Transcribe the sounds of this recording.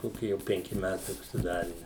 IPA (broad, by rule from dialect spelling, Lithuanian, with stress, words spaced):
ˈkoːkʲɪ jɛʊ pʲɛŋʲˈkʲɪ ˈmʲætɐɪ ʊʃʲsʲɪˈdɑːrʲɪ